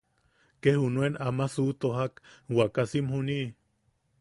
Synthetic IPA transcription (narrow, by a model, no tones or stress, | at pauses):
kehunuenamasuʔt̪oɦakwakasimhuniʔ